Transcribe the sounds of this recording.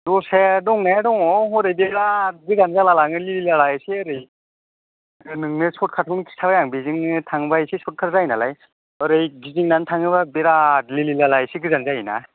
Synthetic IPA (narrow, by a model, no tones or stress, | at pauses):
dɔsedɔŋnadɔŋɔɦɔɾejbeɾat̚ɡɯzanzalalaŋɯlililalajsiɯɾɯj | ɯnɯŋnɯsɔt̚kʰatʰɔŋnɯkʰi̥sʰabajaŋbiziŋɯtʰaŋɯbajsisɔt̚kʰaɾzajnalaj | əɾɯjɡiziŋnantʰaŋɯβabeɾatlililalajsiɡɯzanzajina̰